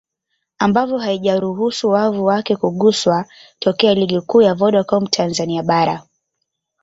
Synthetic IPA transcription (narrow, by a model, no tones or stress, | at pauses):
ambavɔɦaiʄaɾuɦusuwavuwakɛkuɠuswatɔkɛaliɠikuːjavɔɗakɔmtʰanzaniaɓaɾa